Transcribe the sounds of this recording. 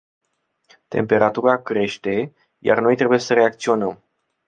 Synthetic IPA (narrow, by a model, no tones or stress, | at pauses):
t̪e̞̰mpe̞ɾat̪uɾakɾe̞ʃt̪e̞ | ja̰rno̞jt̪ɾe̞buje̞səɾe̞ak̚t̪sio̞nəm